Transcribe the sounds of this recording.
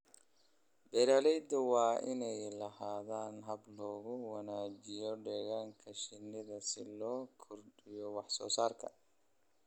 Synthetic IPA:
bɛɾalɛjd̪ɐwɑːʔɪnɛjlɐhaːðaːnɦɐblɔːɣʊwɐnaːd͡ʒɪjɔɖɛɣaːŋkʰɐʃɪnɪðɐsɪlɔːkʰɔrɖɪjɔwɑħsɔ̰ːsaːrkʰɐ̰

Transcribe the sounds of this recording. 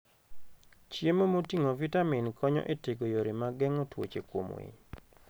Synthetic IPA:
t͡ʃjemomotiŋovitaminkʰɔɲɔ̰ʔeteɡojoɾimaɡɛŋɔtwo̰t͡ʃekwo̰mwḛɲ

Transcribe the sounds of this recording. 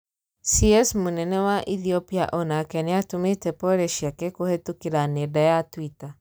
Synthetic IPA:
siɛsmunɛnɛwaʔiθiɔpia̰ʔɔnakɛneatumetɛpɔɾeʃiakɛkuhetukiɾanedajatwita

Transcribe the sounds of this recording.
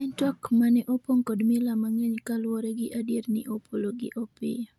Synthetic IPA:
ɛntwakmanɛʔɔpoŋkɔdmɪlamaŋeɲkalwɔɾɛɡɪʔadietnɪ̰ʔopʰoloɡɪ̰ʔopɪ̰

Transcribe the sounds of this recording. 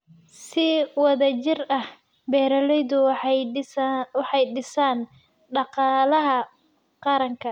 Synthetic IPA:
sɪwɑðɐt͡ʃɪrɐh | bɛːɾɐlɛjðʊ | wɑħɑjɖɪsaːn | ɖɑqɑːlɐɦɐ | qɑɾɐŋkʰɐ

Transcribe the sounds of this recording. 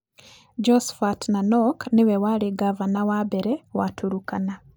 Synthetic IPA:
d͡ʒɔsfatnanɔknɪwɛwaɾiɡavanawabɛɾɛwatuɾukana

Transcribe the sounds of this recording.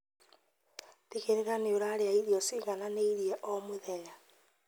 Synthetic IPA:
teɣeɾeɾaneoɾaɾeaiðiɔsiɣananeiɾjɛʔɔmoðeɣa

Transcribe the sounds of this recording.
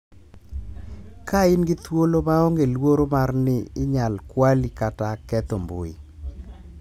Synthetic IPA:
kaɪnɡɪt̪wolomaɔŋɡelwoɾomarnɪɪɲalkwalikatakɛt̪ombo̰ḭ

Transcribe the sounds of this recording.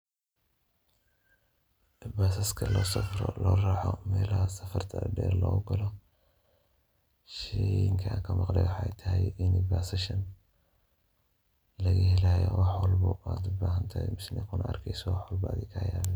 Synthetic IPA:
baːsɐskʰɐlɔːsɐfɾɔ̰lɔːraːħɔ̰mɛːlɐhɐsɐfɐrt̪ʰɐɖɛ̰ːɾlɔːɣʊɡɐlɔ | ʃɛjɪŋkʰɐaːŋkʰɐmɑqlɛjwɑħaɛjt̪ʰɐɦɛjʔɪnɪbaːsɐʃɐn | lɐɣihɛlaːjɔ̰wɑħwɔlbɐaːd̪ʊbaːɦɐnt̪ʰɐmɪsnɛkʰʊnɐʔɐrkʰɛjsɔwɑħwɔlbɐa̰d̪ɪkʰɐːjaːβɛn

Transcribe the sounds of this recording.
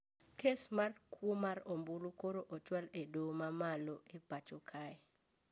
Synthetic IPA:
kʰesmarkwomarombulukoɾoʔot͡ʃwaledomamaloepat͡ʃɔkʰaɛ

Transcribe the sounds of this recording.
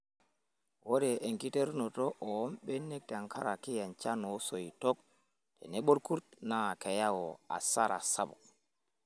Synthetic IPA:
wɔdɛʔɛŋkiteɾnɔtɔʔɔɔmɓɛnːek̚taŋkʰaɾakijant͡ʃanɔsojitɔk̚ | tɛ̰nɛɓoɾkuɾtnakɛjawɔa̰saɾʔa̰sabɔ

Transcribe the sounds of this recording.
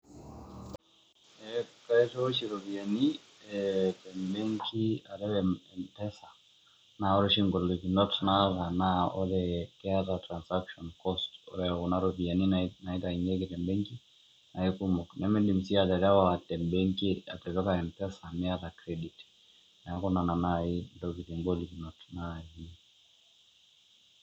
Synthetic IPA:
ɛkaɛtɔʃiɾɔviani | ɛtɛmbɛŋkʰiaɾɛwɛɛmpɛsa | naɔɾɛʃiŋɡɔliknɔtnaðanaɔ̰ɾɛkɛatatɾansakʃɔnkɔstɔ̰ɾɛunaɾɔvianinaitaiŋɡɛkitɛmbɛŋki | naɛkumɔknʔɛmɛɗim̩siatɛɾɛwaatɛmbɛŋkia̰tɛtɔkaɛmpɛsamɛaðakɾɛdit | najakɔnananaindɔkitiŋɡɔliknɔtnahi

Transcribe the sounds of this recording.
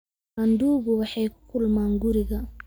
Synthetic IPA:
anduːɡuwaħɛjkːulmaŋɡuɾiɡa

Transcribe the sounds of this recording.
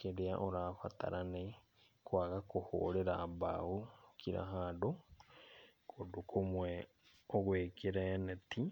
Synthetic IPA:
kedeaʔoɾaːfa̰ta̰ɾʔanɛ | kwaɣakoho̰ɾeɾaːba̰okʰiɾa̰ɦado | kʰodokʰomwɛ | oɣwekʰeɾɛnɛtʰi

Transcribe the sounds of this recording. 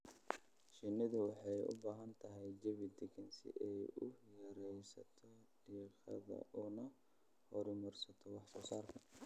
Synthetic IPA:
ʃɪnɪðʊwɑħɑjʊ̰baːɦɐnt̪ʰɐɦɛjd͡ʒɐβɪd̪ɛɡɛnsɪ̰ʔɛjʊjɐɾɛjsɐt̪ʰɔ | ɖ̥iːqɑ̰ðɐ̰ʔʊnɐ | hɔɾʊmʊrsɐt̪ʰɔwɑħsɔːsaːrkʰɐ

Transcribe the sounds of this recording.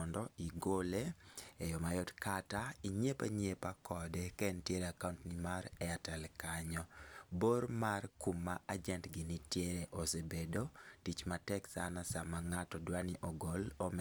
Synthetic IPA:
ɔndɔiɡoleejɔmajɔdkataiɲepa̰ɲepakɔdɛkɛntjeɾeakauntnimaɾɛatɛlkaɲɔboɾmarkumːaad͡ʒɛntɡɪnitjeɾeʔosebedotit͡ʃmatɛksanasamaŋatɔdwaniʔɔɡolɔm

